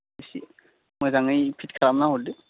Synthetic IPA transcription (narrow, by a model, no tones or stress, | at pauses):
esi | mojzaŋɯjpʰitkʰaɾamnaɦolde